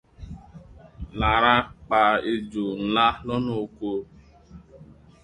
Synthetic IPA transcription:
la˨ɾa˦k͡pa˨e˨d͡ʒu˨n̩˨la˦lɔ˦no˨ko˦

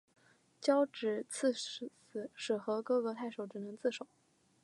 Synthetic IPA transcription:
t͡ɕjɑ˥ʊʈ͡ʂɻ̩˨˩t͡s̩ʰ˥˧˨sɹ̩˨˩ʂɻ̩˨˩xɤ˧˥kɤ˥ɤ˧˥t̪ʰa˥˩ɪʂo˨˧˩ʊʈ͡ʂɻ̩˨˩nɤ˧˥ŋt͡sɹ̩˥˩ʂo˨˩˦ʊ

